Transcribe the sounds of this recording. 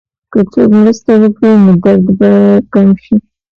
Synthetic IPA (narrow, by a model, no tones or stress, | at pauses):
kət͡sokmɾəst̪awəkɽinod̪aɾd̪bakamʃi